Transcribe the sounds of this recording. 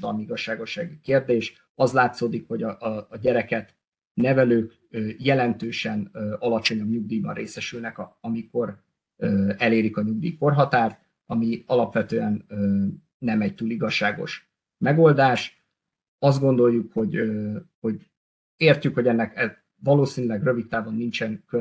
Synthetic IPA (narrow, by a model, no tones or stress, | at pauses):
d̪ɒlmiiɡɒʃːaːɡo̞ʃːaːɡikeːrd̪eːʃ | ɒzlaːt̪soːd̪ikho̞ɟɒʔːɟɛɾɛkɛt̪ | nɛvɛløːk | øjɛlɛnt̪øːʃɛnøɒlɒt͡ʃo̞ɲɒbɲuɡ̚d̪iːbɒ̰nreːsɛʃylnɛkɒɒmiko̞r | øːɛleːɾikɒɲuɡ̚d̪ḭːko̞rɦɒt̪aːrt̪ | ɒmiɒlɒpʋɛt̪øːɛnøː | ɛmɛct̪uːliɡɒʃːaːɡo̞̰ʃ | mɛɡo̞ld̪aːʃ | ɒzd̪ɡo̞nd̪o̞jːukho̞ɟøho̞ɟ | eːrcykhoɟɛnːɛkɛ | vɒloːsiːnylɛɡrø̞vit̪ːaːvonːint͡ʃɛŋkø